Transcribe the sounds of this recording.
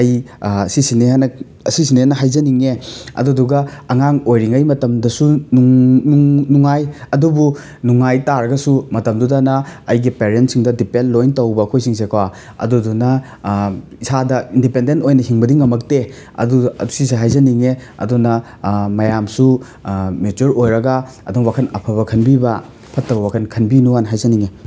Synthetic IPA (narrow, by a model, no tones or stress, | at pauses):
ɐj | sisineɦanɐ | ɐsisinehanːɐɦajzɐniŋeɐ̰duduɡɐɐŋaŋojɾiŋɐjmɐtɐmdɐsunuŋnuŋnuŋajɐdubu | nuŋajtaɾɐɡɐsumɐtɐmdudanɐːjɡipeɾentsiŋdɐdipenlojntɐwbɐːkʰojsiŋs̬ekʰawa | ɐ̰dudunɐ | isadɐindipendentojnɐhiŋbɐdiŋːɐmɐk̚te | ɐ̰duɐ̰dusiseɦajzɐniŋeɐ̰dunɐ | mɐjamsu | met͡ʃuɾojɾɐɡa | ɐduŋwakʰɐnɐpʰɐβɐkʰɐnbibɐ | pʰɐtːɐbɐwakʰɐnkʰɐnbinuwanɦajzɐniŋe